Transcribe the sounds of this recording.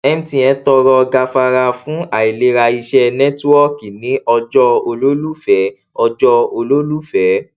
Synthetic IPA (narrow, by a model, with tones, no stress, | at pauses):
ɛ˧mĩ˦tĩ˧ɛ̃˧tɔ˧ɾɔ˧ɡa˧fa˧ɾa˧fũ˨˦a˨i˨le˧ɾa˧i˧ʃɛ˦˧nɛ̃˦tɔ˦ki˨nĩ˨˦ɔ˧d͡ʒɔ˧o˧lo˦lu˦fɛ˨˦ | ɔ˧d͡ʒɔ˧o˧lo˦lu˦fɛ˨˦